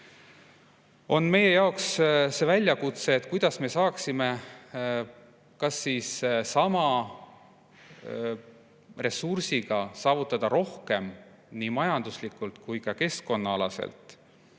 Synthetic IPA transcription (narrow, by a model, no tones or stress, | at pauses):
o̞nme̞je̞jɑo̞ksse̞vælʲːjɑkut̪se̞ːt̪ˑkujd̪̥ɑsme̞sɑːksime̞ | kɑsːiːssɑmɑ | re̞sursiɡ̥ɑsɑːvut̪ːˑɑd̪̥ɑɾo̞hke̞m | nimɑjɑnd̪̥uslikːˑult̪kujkɑke̞sko̞nːɑɑlɑ̰sḛlt̪ˑ